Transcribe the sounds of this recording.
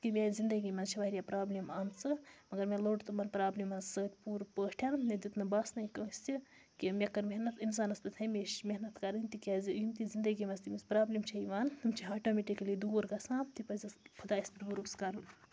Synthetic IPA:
kimʲazind̪ɐɡimɐnt͡ʃʰiʋaːiɾijapɾaːblimaːnt͡sɨmɐɡɐɾmʲeloːɖt̪umɐnpɾaːblimɐnsəːt̪ʲpuːɾpəːʈʰannɐd̪ut̪nɐbɐsnɐjkɐ̃sʲt̪i | kimʲɐkːɐɾmʲeɦnɐt̪ins̬aːnɐspit̪ʰɐmʲiʃmʲeɦnɐt̪kɐɾɨnʲt̪ikʲaːzijumt̪izind̪ɐɡimɐst̪imispɾaːblimt͡ʃʰɐiʋaːnt̪ɨmt͡ʃʰiɦaːʈoːmeʈiklid̪uːɾɡɐsãːt̪ipɐzʲɐspʰud̪aːispit̪buɾuskɐɾɨn

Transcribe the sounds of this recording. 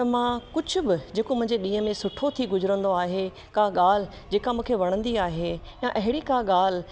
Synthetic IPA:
t̪ɐmãkʊd͡ʑʱʊbɪd͡ʑeːkomʊ̃ɦɪ̃ɲd͡ʑeɗĩːəmẽsʊʈʰot̪ʰiɡʊzʊɾə̃nd̪oaːɦe | kaɠaːl̤ɪ | d͡ʑeːkamũːkʰeʋɐɽ̃ə̃nd̪iaːɦejãʔɐɦɪɽikaɠaːl̤ɪ

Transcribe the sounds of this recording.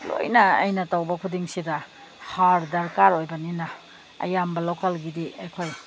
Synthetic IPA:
lo̰jnɐɐ̰jnɐtawbɐkʰudiŋsidɐ | haɾdɐɾkaɾojbɐninɐ | ɐ̰jambɐlokɐlɡidiɐjkʰoj

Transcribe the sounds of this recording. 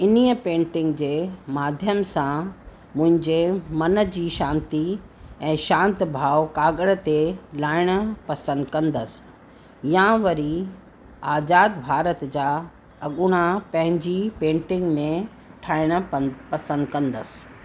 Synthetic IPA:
ɪniːəpẽːɳʈɪ̃ŋɡd͡ʑeːmaːd̪ʱjəmsã | mʊ̃ɦɪ̃ɲd͡ʑemɐnə̆d͡ʑiːʃãːnt̪iɛ̃ːʃãːnt̪bʱaːʋkaːɡəɽə̆t̪elaːɪɽ̃ə̆pɐsə̃nd̪kɐ̃nd̪əsɪ̥ | jãʋɐɾi | aːzaːd̪bʱaːɾət̪d͡ʑaː | ɐɠʊɽ̃apɐ̃ɦɪ̃ɲd͡ʑipẽːɳʈɪ̃ŋɡmẽ | ʈʰaːɪɽ̃ə̆pɐsə̃nd̪kɐ̃nd̪əsɪ̥

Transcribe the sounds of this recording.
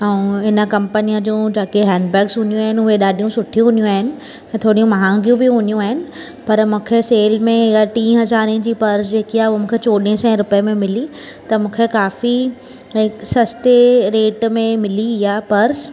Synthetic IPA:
ɛ̃ɦɪnə̆kɐ̃mpənijəd͡ʑũːd͡ʑaːkeɦɛ̃ːɳɖbɛːksɦʊnijũaːɦɪnɪʊɦeɗaːɗʱijũsʊʈʰijũɦʊnijũaːɦɪnɪ̆ | ɛ̃ːt̪ʰoːɽijũmɐɦãːŋɡijũbɪɦʊnijũaːɦɪnɪ̆ | pɐɾmũːkʰeseːlmẽɪɦaʈĩːɦɐzaːɾẽd͡ʑiːpɐɾsd͡ʑeːkijaɦʊɦomũːkʰet͡ɕoːɗẽsɛ̃ːɾʊpəjəmẽmɪli | t̪ɐmũːkʰekaːfi | ɦɪksɐst̪eɾeːʈmẽmɪliɦijaːpɐɾs

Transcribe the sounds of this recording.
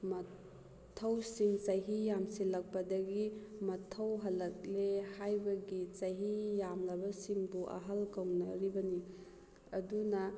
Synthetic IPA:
mɐ | tʰːɐwsiŋt͡ʃɐjɦijamsilɐk̚pɐdɐɡimɐtʰɐwɦɐlːɐk̚lehajbɐɡit͡ʃɐjɦijamlɐbɐsiŋbuʔɐ̰ɦɐlkɐwnɐɾibɐni | ɐdunɐ

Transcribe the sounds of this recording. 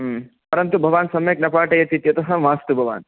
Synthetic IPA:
pɐɾɐnt̪ubʱɐʋaːnsɐmjɐk̚nɐpaːʈɐjɐt̪it̪jɐt̪ɐɦɐʋaːst̪ubʱɐʋa̰ːn

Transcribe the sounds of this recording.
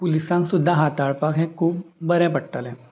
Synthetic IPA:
pʊlɪsãŋksud̪ʱaɦaːt̪aːɭpakɦɛ̃kuːbbɐɾẽpɐʈːəlɦɛ̃

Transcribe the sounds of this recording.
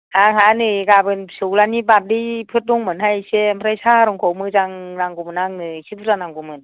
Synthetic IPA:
aŋɦanɯɡabɯnsɯwlanibap̚dipʰɯt̚dɔŋmɯnɦajsempʰɾajsaɾɔŋkʰɔwmɯzaŋnaŋɡɔmɯnaŋnɯsibuzanaŋɡumɯn

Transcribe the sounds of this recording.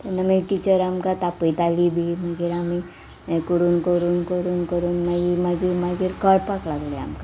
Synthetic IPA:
t̪onɐmẽʈit͡ʃəɾamkat̪apəjt̪aːlibʱimaɡiɾami | kuɾunkoɾunkoɾunkəɾunmaɡimaɡiɾmaɡiɾkəɽpaklaɡlea̰mka

